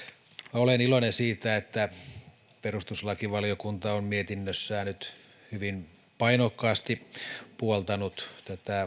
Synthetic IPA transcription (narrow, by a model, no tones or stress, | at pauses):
olenilonensiːt̪æet̪ːæ | perust̪uslɑkiʋɑliokunt̪ɑommiet̪inːøsːæːnyt̪ | hyʋin | pɑinokːɑːst̪ipuolt̪ɑnut̪t̪æt̪æ